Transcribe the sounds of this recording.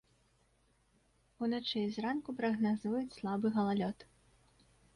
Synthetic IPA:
unat͡ʂɨzrankupɾɐɣnazujut͡sʲslˠabɨɣɐlˠalʲɔt̪

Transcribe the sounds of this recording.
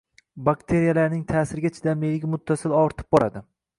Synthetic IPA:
bakʲt̪ʰe̞ɾijalaɾnɪŋt̪ʰaːsɪɾɡʲat͡ʃʰɪd̪amelɡʲɪmʊt̪ʰːasɪlɒɾt̪ʰɪ̥p̚bɒɾad̪ɪ

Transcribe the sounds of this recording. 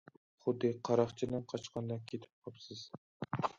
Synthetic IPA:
χʊd̪ːɨqʰɑɾɑχt͡ʃʰilɛnqʰɑt͡ʃqʰɑnd̪ɑkʲʰet̪ʰɪ̥p̚tʰɑpsɨz̥

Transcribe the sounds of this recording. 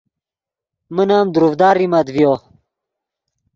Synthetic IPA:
mənaːmd̪uɾufd̪aːɾimad̪vjoː

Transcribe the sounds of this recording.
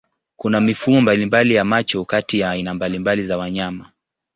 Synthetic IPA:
kunamifumɔmbalimbalijamat͡ʃɔkatijaːinambalimbalizawaɲama

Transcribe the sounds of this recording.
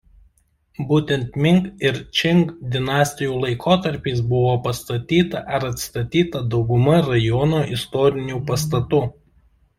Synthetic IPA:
buːt̪ʲɛnt̪mʲɪŋkɪɾt͡ʃʲɪŋkd̪ʲɪnɑːsʲt̪ʲɪjuːlˠɐɪkʰoːt̪ɐɾʲpʲiːs̬bʊʋoːpɐst̪ɐt̪ʲiːt̪ɐʔɐɾɐt̪st̪ɐt̪ʲiːt̪ɐd̪ɒʊɡʊmɐɾɐjɔnoːʔɪst̪ɔːɾʲɪnʲuːpɐs̬t̪ɐt̪ʊ

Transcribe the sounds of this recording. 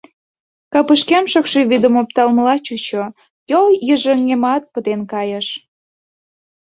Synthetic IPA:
kɑpəʃkemʃəkʃeβid̪əmop̚t̪ɑlməlɑt͡ɕut͡ɕo | joljəʒəŋemɑt̪̚pət̪enkɑjəʃ

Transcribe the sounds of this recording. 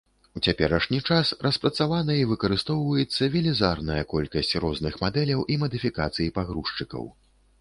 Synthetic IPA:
ut͡sʲapʲɛɾɐʂnʲit͡ʂasrʔɐspɾɐt̪savanɐivɨkɐɾɨst̪ɔwvɐjɛt̪sːɐvʲɛlʲizarnɐjɐkɔlʲkɐsʲt͡sʲrɔznɨxmad̪ɛlʲɐwʔimɐd̪ɨfʲikat̪sɨjipaɣɾuʂt͡ʂɨkɐ̰w

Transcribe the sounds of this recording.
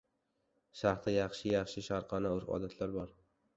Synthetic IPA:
ʃaχt̪ʰajɑχʃɪjɑχʃɪʃaɾqʰɑnaʊɾɒ̰d̪at̪ʰlaɾbɒɾ

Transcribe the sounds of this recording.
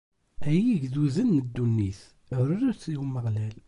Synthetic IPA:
æjiʝðuzənːəd̪ːunːiθ | ɾɾæθimːəʁlæl

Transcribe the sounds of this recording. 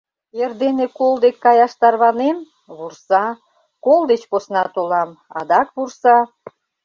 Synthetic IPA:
erd̪enekold̪ekːɑjɑʃt̪ɑrβɑnem | βursɑ | kold̪et͡ɕposnɑt̪olɑmɑ̰d̪ɑkβursɑ

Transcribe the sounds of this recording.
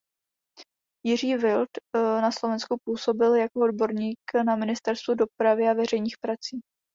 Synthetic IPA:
jɪriːvɪlt̪naslo̞vɛnskupuːso̞bɪljakoodbo̞ɾɲiːknamɪnɪst̪ɛɾst̪vudo̞pɾavɪavɛr̝ɛjɲiːxpɾat͡siː

